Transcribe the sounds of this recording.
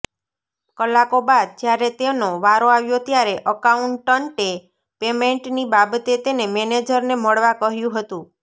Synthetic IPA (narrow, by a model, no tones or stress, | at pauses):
kəlakobad̪̚d͡ʒjaɾet̪enoʋaɾoaʋjot̪jaɾeʔəkauɳʈːəɳʈe | pemeɳʈnibabt̪et̪enemɛned͡ʒəɾneməɽʋakəɦjũɦət̪ũ